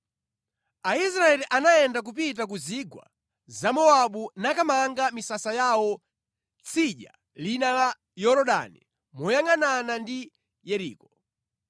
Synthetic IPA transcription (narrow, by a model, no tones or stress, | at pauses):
ais̬ɾaɛliʔanajɛndak̬up̬it̬akuziɡwa̰ | zamɔaɓunakamaŋɡamisasajawɔ | t͡sʰiʄa | linala | jɔɾɔɗa̰ni | mɔjaŋananandi | jɛɾiːkɔ